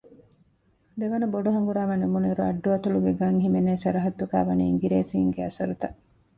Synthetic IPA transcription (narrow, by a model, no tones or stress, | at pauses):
d̪eʋɐnɐboɖuɦɐŋɡuɾaːʋɐnemuneɾuɐ̰ɖːuɐt̪uluɡeɡɐŋɦimeneːsɐɾɐɦɐt̪ːuka̰ːʋɐnḭiŋɡiɾeːsiːŋɡeɐsɐɾut̪ɐʔ